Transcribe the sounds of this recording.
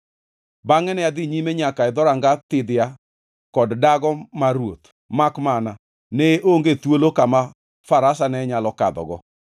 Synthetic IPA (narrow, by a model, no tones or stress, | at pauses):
baŋɛnɛad̪ɪɲimeɲakaɛdɔɾaŋɡat̪ɪd̪ɪa | kɔddaɡɔmaɾwot̪ | makmana | neʔoŋɡet̪wolokama | faɾasanɛɲalɔkadɔ̰ɡɔ